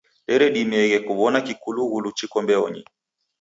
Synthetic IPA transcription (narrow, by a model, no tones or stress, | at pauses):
ɗɛɾɛɗimɛɣɛkuβɔnakikuluɣulut͡ʃikɔmbɛɔ̰ɲḭ